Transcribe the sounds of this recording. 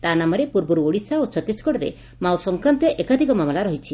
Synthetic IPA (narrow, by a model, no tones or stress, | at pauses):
t̪anamɔɾepuɾbuɾuoɽisaot͡ʃɔt̪iskɔɽɔɾḛ | mawsɔŋkɾɔnt̪ɔʔekad̪ʱikɔmamɔlaɾɔɦit͡ʃʰi